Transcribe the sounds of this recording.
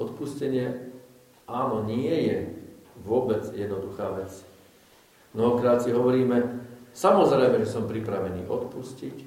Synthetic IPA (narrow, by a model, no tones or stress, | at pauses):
ɔt̪puscɛɲɪɛ | aːnɔɲɪɛjɛʋʊɔbɛd͡zjɛd̪nɔd̪uxaːʋɛt͡s | mnɔɦɔkɾaːt̪siɦɔʋɔɾiːmɛsamɔzɾɛjmɛʒɛsɔmpɾipɾaʋɛnḭːʔɔt̪puscic